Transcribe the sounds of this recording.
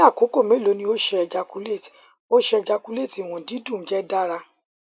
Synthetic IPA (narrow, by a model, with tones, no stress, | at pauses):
a˦˨ko˨˦ko˦˨me˨˦lo˨˦nĩ˧˦o˦ʃɛ˦˧ɛ˧d͡ʒa˧ku˦le˦˨ti̥˨ | o˦ʃɛ˦ɛ˧d͡ʒa˧ku˧˦le˦˨ti˨w̃ɔ̃˨di˨˦dũ˦˨˦d͡ʒɛ˦da˦ɾa˧